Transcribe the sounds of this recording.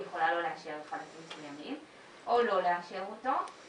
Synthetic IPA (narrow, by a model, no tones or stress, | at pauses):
jeχo̞lalo̞leakʃeʁeχalakimsujamim | ʔolo̞leakʃeʁot̪o